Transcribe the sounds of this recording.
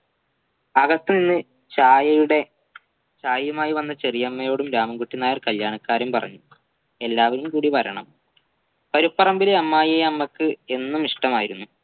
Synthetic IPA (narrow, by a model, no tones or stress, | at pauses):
ɐɣɐst̪ininːɨ | t͡ɕaːjɐjuɽe̞ | t͡ɕaːjɐjumaːjiʋɐnːɐt͡ɕerijɐmːɐjo̞ːɽumɾaːmɐŋɡuʈːinaːjɐrkɐljaːɳɐkːaːɾɐmpɐrɐ̰ɲːu | e̞lːaːʋɐɾumkuːɽipɐɾɐɳɐ̰m | pɐɾipːɐrɐmbileɐmːaːjeɐmːɐkːɨe̞nːumiʂʈɐmaːjiɾunːu